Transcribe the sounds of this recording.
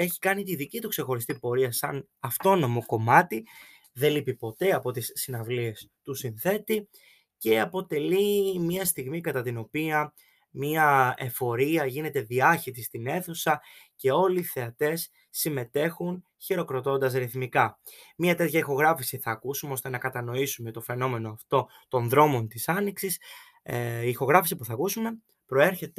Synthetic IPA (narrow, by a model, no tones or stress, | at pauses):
e̞çi̥kɐnit̪iðicit̪ukse̞xo̞ɾist̪ipo̞ɾiɐsɐn | ɐft̪o̞no̞mo̞ko̞mɐt̪i | ðe̞lipipo̞t̪e̞ɐpo̞t̪isːinɐvlie̞st̪usinθe̞t̪i | ce̞ɐpo̞t̪e̞limɐst̪iɣmikɐt̪ɐt̪ino̞piɐ | miɐe̞fo̞ɾiɐʝine̞t̪e̞ðiɐçit̪ist̪ine̞θusɐce̞o̞liːθe̞ɐt̪e̞sː | ime̞t̪e̞xun | çiɾo̞kɾo̞t̪o̞nd̪ɐsɾiθmikɐ | miɐt̪e̞t̪çɐixo̞ɣɾɐfisiθɐːkusumeo̞st̪enɐkɐt̪ɐno̞isume̞t̪o̞fe̞no̞me̞no̞ɐft̪o̞ | t̪o̞nðɾo̞mo̞nt̪isɐniksis | iːxo̞ɣɾɐfisipuθɐkusume̞ | pɾo̞e̞ɾçe̞t̪